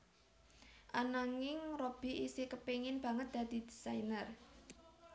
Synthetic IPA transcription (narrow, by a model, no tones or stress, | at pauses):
ʔanaŋɪŋrob̥i̤ʔisikəpeŋɪnb̥a̤ŋət̪̚d̪̥a̤d̪̥i̤d̪̥i̥sajnər